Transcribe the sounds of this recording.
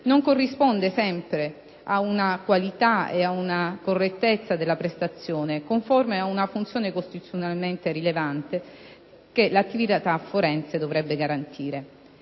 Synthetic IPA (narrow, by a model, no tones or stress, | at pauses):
noŋkorːispond̪esɛmpɾe | aunakwalit̪aḛaunakorːet̪ːet̪sːad̪elːapɾest̪at̪sːjoːnekoɱformeaunafunt̪sjoːnekost̪itu̥sːjonalment̪eɾilevant̪e | kelat̪ːivit̪at̪afːoɾɛnt̪sed̪ovɾɛbːeɡaɾant̪ʰiːɾe